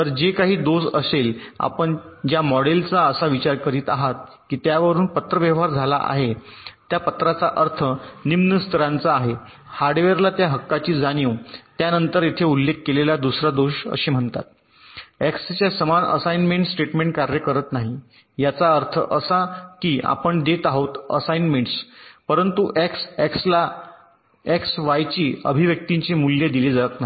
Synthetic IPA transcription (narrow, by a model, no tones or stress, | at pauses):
t̪əɾd͡ʑekaɦiːd̪osəsela̰pəɳd͡ʑjamɔɽelt͡saəsaʋit͡ɕaɾkəɾiːt̪aɦat̪̚ | kiːt̪jaʋəɾuːnpət̪ɾəʋjəʋɦaɾd͡zʱala̰ʔa̰ɦet̪japət̪ɾat͡saʔəɾt̪ʰənimnəst̪ʰəɾãnt͡saːɦe | haɾɖʋeɾlat̪jaɦəkːat͡ɕiːd͡zanjiwt̪janənt̪əɾet̪ʰeulːekːelelad̪usɾad̪oɕə̰ɕiːm̤əɳt̪a̰t̪̚ | ekst͡ɕjasəmanə̰sajnmeɳʈsʈeʈmẽɳʈ̚kaɾjəkəɾət̪naɦi | jat͡saəɾt̪ʰə̰ʔəsakiːʔa̰pəɳɖ̪et̪aɦot̪ə̰sajnmeɳʈspəɾənt̪uʔekseksla | eksʋajt͡ɕiːəbʱiʋjək̚t̪iɲt͡ɕemuljed̪iliːd͡zaət̪̚naɦi